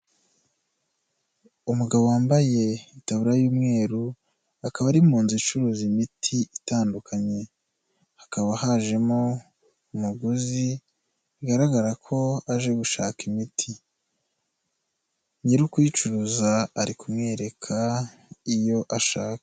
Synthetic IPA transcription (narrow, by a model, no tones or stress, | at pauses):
umuɡaβowaːmbaje̞itaβuɾajuːmŋe̞ːɾu | akaβaɾimuːnzit͡ʃuɾuːzimitʰiitaːndukʰaɲe̞ | hḁkaβahaʒe̞mo | umuɡuzi | iɡaɾaɡaɾakʰo̞aʒe̞ɡuʃaːkimitʰi | ɲiɾukwit͡ʃuɾuzaaɾikumŋe̞ːɾe̞kʰa | ijo̞ʔaʃaːkḁ